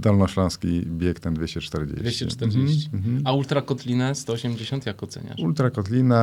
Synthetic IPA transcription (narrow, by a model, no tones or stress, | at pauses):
d̪ɔlnɔɕlɔ̃skʲibʲjɛkt̪ɛnd̪vʲjeɕt͡ɕɛt͡ʂt̪ɛɾd͡ʑḛvʲjeɕt͡ɕɛt͡ʂt̪ɛɾd͡ʑet͡ɕiault̪ɾakɔt̪lʲinɛst̪ɔɔɕemd͡ʑeɕɔnt̪jakɔt̪sɛ̰ɲa̰ʃult̪ɾakɔt̪lʲina